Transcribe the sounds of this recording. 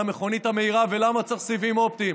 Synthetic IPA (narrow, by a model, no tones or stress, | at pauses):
ameχo̞nit̪hame̞iʁavelamat͡saχsivimop̚t̪i